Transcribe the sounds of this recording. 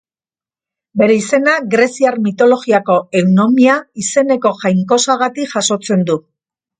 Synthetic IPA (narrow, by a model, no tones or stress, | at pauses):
be̞ɾe̞ise̞naɣɾe̞siaɾmit̪o̞lo̞ɣiako̞e̞wno̞miaise̞ne̞ko̞ʝajŋko̞saɣat̪ikʝaso̞t͡se̞nd̪u